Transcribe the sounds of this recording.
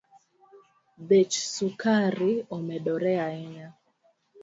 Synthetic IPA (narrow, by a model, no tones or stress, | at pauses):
bet͡ʃsukaɾiɔmɛɗɔɾɛaɛɲa